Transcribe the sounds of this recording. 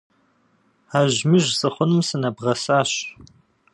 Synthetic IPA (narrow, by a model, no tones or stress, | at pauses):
aːʑmɨʒsʼɨχʷʊnɨmsɨnɐbʁɐsaːɕ